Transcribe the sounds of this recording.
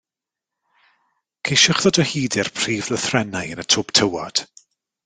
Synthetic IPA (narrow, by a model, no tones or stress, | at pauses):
kʰejʃʊχðɔdəhiːdɪrpʰr̥iːvlˠəθrɛnajənətʰʊb̥tʰəwa̰d̥